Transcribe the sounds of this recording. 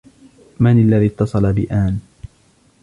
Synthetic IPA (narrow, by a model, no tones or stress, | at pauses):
manalːaðit̪ːɑsˤɑlabɪʔaːn